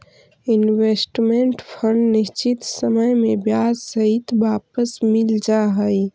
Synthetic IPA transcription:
inwesʈmeɳʈpʰəɳɖnist͡ʃit̪səməjmebjad͡ʒsəɦit̪bapəsmild͡ʒaɦəj

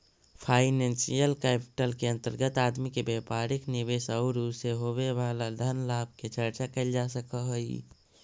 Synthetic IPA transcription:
pʰaɪnẽnsijəlkɛpi̥ʈəlkeə̃nt̪əɾɡət̪ad̪mikebepaɾiknibesəʊɾuseɦobebalad̪ʱənlab̚ket͡ʃəɾt͡ʃakəɪld͡ʒasəkəɦəj

